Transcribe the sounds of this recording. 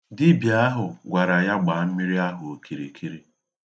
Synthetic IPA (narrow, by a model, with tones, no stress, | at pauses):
di˦bja˨˦a˦ɦʊ˨ɡʷa˨ɾa˨ja˦ɡ͡ba˨m̩˦mi˦ɾi˦a˦ɦʊ˨o˨kʰi˨ɾḛ˨kʰi˦ɾi˦